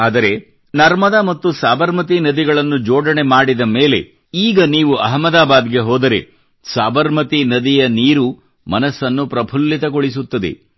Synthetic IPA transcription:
aːd̪ɐɾe̞ | nɐɾmɐd̪ɐmɐt̪ːusaːʋɐɾmɐt̪inɐd̪iɡɐɭɐnːud͡ʒoːɽɐɳe̞maːɽid̪ɐme̞ːle̞̰ | iːɡɐniːʋuʔɐɦɐmɐd̪aːbaːd̪ɡe̞ɦɔːd̪ɐɾe̞̰ | saːbɐɾmɐt̪inɐd̪ijɐniːɾu | mɐnɐsːɐnːupɾɐpʰulːit̪ɐɡoɭis̬ut̪ːɐd̪ḛ

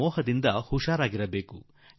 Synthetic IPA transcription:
ɔːɦɐd̪ind̪ɐhuʂaːɾaːɡiɾɐbe̞ːku

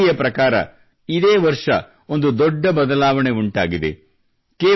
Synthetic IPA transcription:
jɐpɾɐkaːɾɐ̰ | id̪eːʋɐɾʂɐ̰ | ond̪ud̪ɔɖːɐbɐd̪ɐlaːʋɐɳe̞uɳʈa̰ːɡid̪ḛ | keː

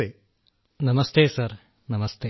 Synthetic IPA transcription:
eː | nɐmɐst̪eːsɐɾ | nɐmɐst̪eː

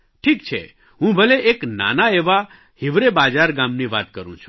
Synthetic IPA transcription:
ʈʰikt͡ʃʰḛ | ɦũbʱəleʔekna̰naeʋa | hiʋɾebad͡ʒaɾɡamniʋat̪kəɾṵ̃t͡ʃʰu̥

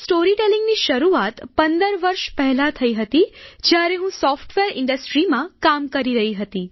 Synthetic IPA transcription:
sʈoɾiʈelĩŋɡniʃəɾuat̪pənd̪əɾʋəɾʃpəɦɛlat̪ʰəiɦət̪id͡ʒjaɾeɦũsɔfʈʋeɾɪɳɖəsʈɾimãkamkəɾiɾəɦiɦət̪i

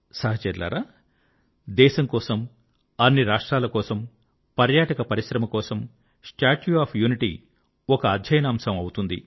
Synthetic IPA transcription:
sɐːɦɐt͡ʃɛɾla̰ːɾaː | d̪ɛːʃɐŋkɔːsɐm | ɐnːiɾaːʂʈɾaːlɐkɔːsɐm | pɐɾjaːʈɐkɐpɐɾisɾɐmɐkɔːsɐm | sʈaːʈuaːpʰjuːniʈḭ | ɔkɐːd̪ʱjɐjɐnɐːmsɐmɐwut̪und̪ḭ

